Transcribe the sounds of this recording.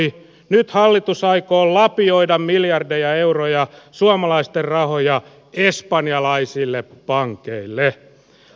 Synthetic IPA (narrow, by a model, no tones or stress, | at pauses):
i | nyt̪hɑlːit̪usɑikoːllɑpioidɑmmiljɑrdejɑeurojɑsuɑmɑlɑist̪errɑhojɑ | espɑnjɑlɑisilːepɑŋkeilːe